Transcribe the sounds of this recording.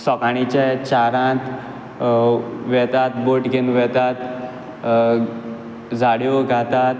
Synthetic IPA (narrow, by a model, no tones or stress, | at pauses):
sɔkaɽ̃it͡ɕɛt͡ɕaɾãt̪ | ʋɛt̪at̪boʈkinʋɛt̪at̪ | d͡zaɽjoɡʱat̪at̪